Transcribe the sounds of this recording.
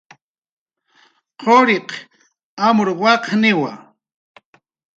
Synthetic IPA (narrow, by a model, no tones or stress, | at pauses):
qoɾiq | amʊɾwɑqnɪwa̰